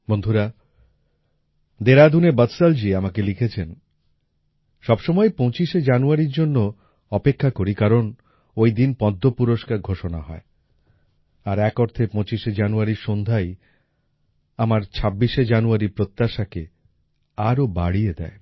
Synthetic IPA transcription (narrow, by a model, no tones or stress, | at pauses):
bond̪ʱuɾa | d̪eɾad̪ʱunebət̪sald͡ʑiamakelikʰet͡ɕʰen | ʃɔbʃɔmɔepɔ̃t͡ɕiʃed͡ʑanuaɾiɾd͡ʑonːo | ɔpekʰːakoɾikaɾon | ojd̪inpɔd̪ʱːopuɾoʃkaɾɡʱoʃona̰ɦɔe | aɾɛkoɾt̪ʰepɔ̃t͡ɕiʃed͡ʑanuaɾiɾʃond̪ʱaj | amaɾt͡ɕʰabːiʃed͡ʑanuaɾiɾpɾot̪ːaʃake | aɾoba̰ɽied̪ɛ̰e